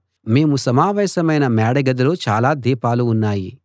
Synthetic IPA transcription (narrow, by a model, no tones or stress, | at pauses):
me̞ːmusɐmaːʋɛːsɐmɐjnɐmaːɽɐɡɐd̪ɐlot͡ʃa̰ːlaːd̪iːpaːluːnːaːji